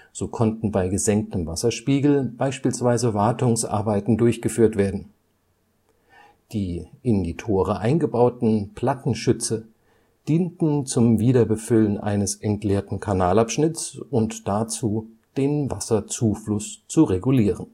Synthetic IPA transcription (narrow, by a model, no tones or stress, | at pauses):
z̥oːkʰɔntn̩baɪɡəzɛŋk̚təmvasɐʃpiːɡl̩baɪʃpiːlsv̥aɪzəvaɐtʊŋsʔa̰ɐbaɪtn̩dʊɐçɡ̥əfyːɐtv̥eːɐdn̩ | d̥iːʔɪnditʰoːʁəʔaɪnɡəbaʊtn̩pl̥atn̩ʃʏt͡sə | d̥iːntn̩t͡sʊmviːɾɐbəfʏlənʔa̰ɪnəsʔɛntleːɐtn̩kʰanaːlapʃnɪt͡sʊntd̥at͡suː | d̥eːnvasɐt͡suːflʊst͡suʁeɡuliːʁən